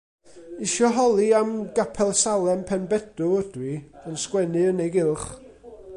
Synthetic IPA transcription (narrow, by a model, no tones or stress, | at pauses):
ɪʃɔɦɔlˠiamɡapʰɛlˠsalˠɛmpʰɛnbɛd̥ʊəd̥wiənskwɛnɨənejɡɪlˠχ